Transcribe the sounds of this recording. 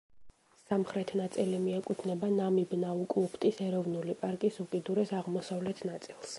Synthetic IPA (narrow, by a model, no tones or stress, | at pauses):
samχɾɛt̪ʰnat̪sʼilimiɛkʼut̪ʰnɛbanamibnaukʼlˠupʰt̪ʼisɛɾɔvnulipʼaɾkʼisukʼid̪uɾɛsaʁmɔsavlɛt̪ʰnat̪sʼilˠs